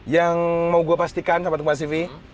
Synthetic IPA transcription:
jaŋmauɡuapast̪ikansamat̪kumas̬ifi

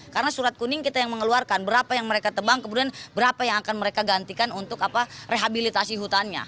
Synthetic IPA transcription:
kaɾənasuɾat̪̚kunɪŋkit̪ajaŋməŋəluarkanbəɾapajaŋməɾekat̪əbaŋkəmudianbəɾapajaŋakanməɾekaɡant̪ikanunt̪ʊkapareɦabilit̪asiɦut̪anɲa̰

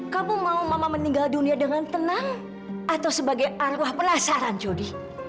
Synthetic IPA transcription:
kamumaumamaməniŋɡalduniadəŋant̪ənaŋ | ʔat̪awsəbaɡajarwahpənasaɾant͡ʃodi

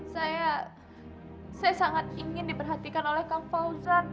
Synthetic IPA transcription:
saja | sajasaŋat̪iŋɪndipərɦat̪ikanolɛhkamfauzan

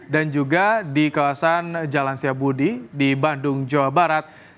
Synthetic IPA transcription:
dand͡ʒuɡadikawasand͡ʒalansiabudidibandʊŋd͡ʒawabaɾat̪̚

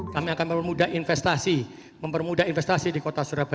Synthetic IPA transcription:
kamiakanməpərmudaɦinfɛst̪asi | məmpərmudainfɛst̪asidikot̪asuɾab

